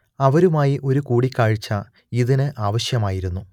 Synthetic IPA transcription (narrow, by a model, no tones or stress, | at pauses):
ɐʋɐɾumaːjiʔo̞ɾukuːɽikʲːaːɻt͡ɕːɐ | iðinɨʔaːʋɐɕjɐmaːjiɾunːu